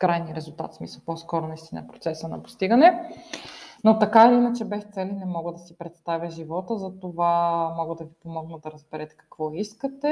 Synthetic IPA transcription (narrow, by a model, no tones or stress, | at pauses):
kɾajniəɾɛzulˠt̪a̰t̪smisəlˠpɔskɔɾonɐist̪inə̰pɾot̪sɛsənɐ̰po̥st̪iɡənɛ | not̪ɐkaɛlinət͡ʃɛbɛxt̪sɛlinɛmɔɡəd̪ɐsipɾɛt̪st̪avʲjəʒivɔt̪əzɐt̪ovamɔɡəd̪ɐvipomɔɡnəd̪ɐɾəzbɛɾɛt̪ɛ̥kɐ̥kvɔiskət̪ɛ